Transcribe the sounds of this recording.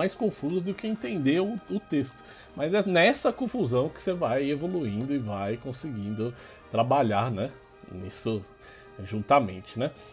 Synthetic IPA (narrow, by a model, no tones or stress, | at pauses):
ajskõfuzɐd̪ʊkɪẽnt̪ẽnd̪eʊʊt̪est̪ʊ̥ | mɐzɛnɛsɐkõfuzɐ̃w̃kɪ̥sevajevoluĩnd̪ʊɪvajkõsɪɡĩnd̪ʊ | t̪ɾabaʎaɾnɛ | nisʊ | ʒũt̪amḛ̃nt͡ʃɪnɛ